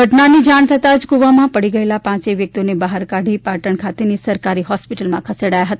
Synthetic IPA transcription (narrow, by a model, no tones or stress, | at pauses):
ɡʱəʈnanid͡ʒaɳ̃t̪ʰət̪ad͡ʒkuʋamãpəɽiɡəelapãt͡ʃeʋjək̚t̪ionebaɦaɾkaɽʱipaʈəɳkʰat̪enisəɾkaɾiɦɔspiʈəlmã̰kʰəseɽajaɦət̪a